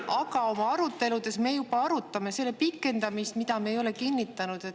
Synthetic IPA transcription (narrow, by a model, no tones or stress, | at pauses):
ʔɑɡɑo̞mɑɑɾut̪ˑːe̞lud̪e̞sme̞ːjubɑɑɾut̪ːˑɑme̞se̞lːepikːˑe̞nd̪̥ɑmist̪mid̪̥ɑmeejo̞le̞kinːit̪ːˑɑnud̪̥e̞t̪ː